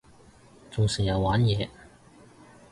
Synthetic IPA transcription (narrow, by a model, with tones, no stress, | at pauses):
t͡sʊ˨ŋsiː˨˩jɐ˨˧waː˨˥njɛː˨˧